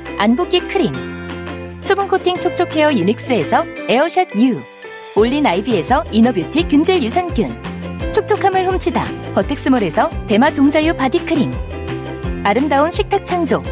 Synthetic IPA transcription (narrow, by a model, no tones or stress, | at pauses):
anbok͈ikʰɯɾiŋ | sʰubɯnkʰotʰiŋt͡ɕʰok̚t͡ɕʰokʰe̞ʌjunik̚s͈ɯe̞sʰʌe̞ʌɕʰad̚ɲu | oʎːinaibie̞sʰʌinʌbjutʰikjund͡ʑeɭjusʰankɯnt͡ɕʰok̚t͡ɕʰokʰamɯɭhomt͡ɕʰida̰pʌtʰe̞k̚s͈ɯmɯɾe̞sʰʌte̞mat͡ɕoŋd͡ʑajupadikʰɯɾiŋ | aɾɯmdaonɕʰik̚tʰak̚t͡ɕʰaŋd͡ʑo